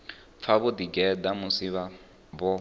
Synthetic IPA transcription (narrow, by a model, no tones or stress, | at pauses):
p̪fʰaβʊd̪iɡɛd̪amusiβa | bɔ